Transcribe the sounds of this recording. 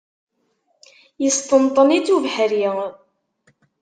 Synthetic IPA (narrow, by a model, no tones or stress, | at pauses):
jəst̪ənt̪ˤːənit͡sːuvħɾji